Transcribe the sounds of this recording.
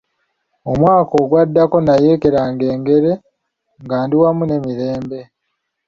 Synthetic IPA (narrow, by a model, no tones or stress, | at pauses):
omwaːko̞ːɡwadːako̞naje̞ːke̞ɾaːŋɡe̞ːŋɡe̞ɾe̞ | ŋɡaːndiwamune̞miɾe̞ːmbe̞